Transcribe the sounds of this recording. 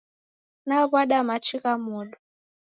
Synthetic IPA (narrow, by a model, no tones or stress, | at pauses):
naβwaɗamat͡ʃiɣamuɗu